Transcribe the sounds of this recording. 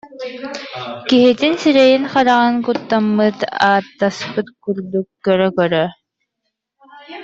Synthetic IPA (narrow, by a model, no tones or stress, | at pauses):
kiɦit̪insiɾɛjinχɑɾɑʁɑŋkut̪ːamːɯt̪aːt̪ːaspɯt̪kyɾd̪ukkœɾœkœɾœ